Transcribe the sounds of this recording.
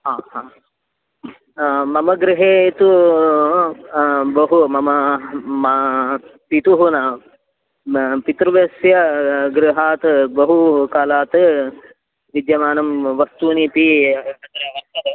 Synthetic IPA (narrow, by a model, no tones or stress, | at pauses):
ɦaːɦaː | mɐmɐɡɾiɦeːt̪u | bɐɦumɐmɐmɐ | pit̪uɦuna | pit̪ɾuʋesjɐɡɾiɦaːt̪ɨbɐɦukaːlaːt̪ | ʋid̪jɐmaːnɐmʋɐst̪uːnipiɐt̪ɾɐɐt̪ɐɾɐ